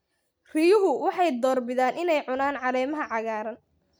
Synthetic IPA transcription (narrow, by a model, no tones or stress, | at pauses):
r̥ijʊɦʊwɑħɑjd̪ɔːrbɪðaːnʔɪnɛjʕʊnaːnʕɑlɛːmɐɦɐʕɑɣaːɾɐn